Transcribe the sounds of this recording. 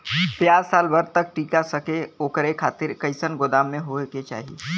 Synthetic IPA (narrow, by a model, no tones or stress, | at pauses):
p̪jaːzsaːlbɐɾt̪ɐk̚ʈiːkasɐkeoːkəɾekʰaːt̪ɪɾkɐɪsənɡod̪aːmːẽɦoket͡ʃa̰ːɦiḛː